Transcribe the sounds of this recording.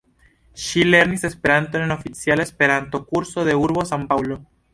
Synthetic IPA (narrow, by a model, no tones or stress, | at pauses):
ʃile̞ɾnise̞speɾant̪oenofit͡sjalespe̞ɾant̪o̞kuɾso̞ðe̞uɾβo̞sampawlo̞